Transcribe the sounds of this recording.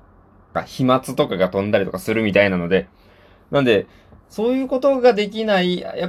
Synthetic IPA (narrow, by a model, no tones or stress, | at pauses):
ka̰çimat͡sɨt̪o̞kaɡat̪õ̞nd̪aɾʲit̪okasɨɾɯ̟mʲit̪ainano̞d̪e̞ | nãnd̪e̞ | so̞ːjɯ̟ːko̞t̪o̞ɡad̪e̞k̬ʲinaia̰ja